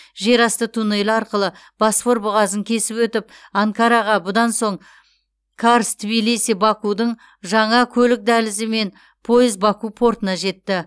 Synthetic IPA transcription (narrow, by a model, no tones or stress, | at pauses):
ʒe̞ɾɑst̪ət̪ʰunejlɑɾqəlˠəb̥ɑsfo̞ɾbʊʁɑzəŋkʲʰe̞sɪpwɵt̪ɪp̚ɑŋkɑɾɑʁɑbʊd̪ɑnso̞ɴ | kʰaɾst̪ʰbijlisibɑkud̪əɴ | ʒɑɴɑkʲʰɵlɪk̚d̪ælɪzɪme̞n | pʰo̞jɪzbɑkupʰo̞ɾt̪ənɑʒe̞t̪ːɪ